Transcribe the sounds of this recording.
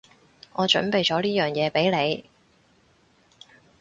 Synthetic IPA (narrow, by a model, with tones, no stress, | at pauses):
ŋɔː˨˧t͡ʃɵ̰˨˥npe˨jt͡ʃɔː˨˥liː˥jœː˨ŋjɛː˨˧pe˨˥jle˨˧j